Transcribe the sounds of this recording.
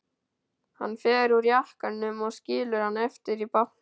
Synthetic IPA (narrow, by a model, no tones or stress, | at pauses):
hanːfɛːɾuɾjahkanːʏmɔɣsciːlʏɾ̥hanːɛft̪ɪɾipan